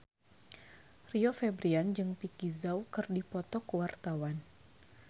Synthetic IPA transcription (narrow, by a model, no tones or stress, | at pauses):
riɔfɛbɾiand͡ʒɨŋpikizawkɨrdipɔt̪ɔkwart̪awan